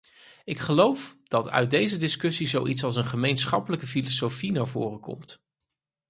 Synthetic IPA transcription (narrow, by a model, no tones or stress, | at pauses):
ɪkχəlowfd̥ɑtœ̰ɥt̚dejzədɪskɵsizowʔitsɑlˠs̬ənχəmejnsχɑpələkəfilosowfinaːɹvʊ̰ːrəkɔ̰mt